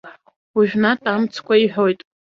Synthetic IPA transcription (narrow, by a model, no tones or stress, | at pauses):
uʒᶣnatʼamt͡sʰkʷʰʼaiħʷᶣojtʼ